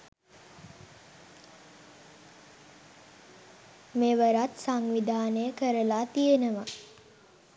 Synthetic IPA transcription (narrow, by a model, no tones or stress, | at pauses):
meːʋəɾat̪saŋʋid̪ʱaːnəjəkəɾəlaːt̪ijenəʋa